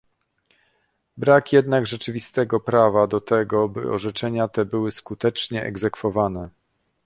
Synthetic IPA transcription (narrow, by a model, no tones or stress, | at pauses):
bɾakjɛd̪naɡʐɛt͡ʂɘvʲist̪ɛɡɔpɾavad̪ɔt̪ɛɡɔbɘ̰ɔ̰ʐɛt͡ʂɛɲat̪ɛbɘwɘskut̪ɛt͡ʂɲɛʔɛ̰ɡzɛkfɔvanɛ